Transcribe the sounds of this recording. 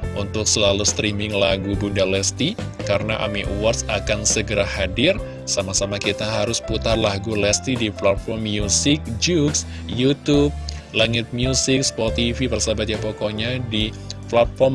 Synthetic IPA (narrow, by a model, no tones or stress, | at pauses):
ʔunt̪ʊk̚səlalust̪ɾimɪŋla̰ɡubundalɛst̪ikaɾənaʔa̰miʔuwarsakansəɡəɾahadɪr | samasamakit̪aɦaɾʊsput̪arlaɡulɛst̪idiplat̪̚fɔrmjusɪk̚d͡ʒuks | jut̪ub̚laŋɪt̪̚mjusɪkspot̪ifipərsabat̪̚japokoɲadi | plat̪̚fɔrm